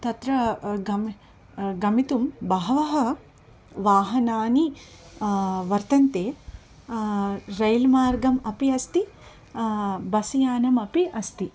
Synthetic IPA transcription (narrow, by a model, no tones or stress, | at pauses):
t̪ɐt̪ɾɐɡɐm | ɡɐmit̪umbɐɦɐʋɐɦɐ̆ | ʋaːɦɐnaːni | ʋɐɾt̪ɐnt̪eː | ɾɐjlmaːɾɡɐmɐpiɐst̪i | bɐsɐjaːnɐmɐpiʔɐst̪i